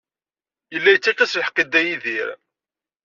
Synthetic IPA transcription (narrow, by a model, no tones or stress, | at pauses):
jəlːæjət͡sːætːæsjəħqːed̪æjiðiɾ